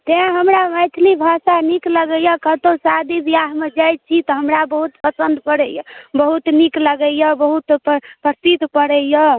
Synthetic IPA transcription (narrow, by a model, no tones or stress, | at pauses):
t̪eãɦəmɾaməjt̪ʰlibʱasanikləɡəjəkət̪otsad̪ib̪ijaɦmed͡ʒajt̪̚t͡ʃʰit̪ɔɦəmɾabəɦut̪pəsənd̪pəɽəjbəɦut̪nikləɡəjəbəɦut̪ppəsit̪pəɽəjjə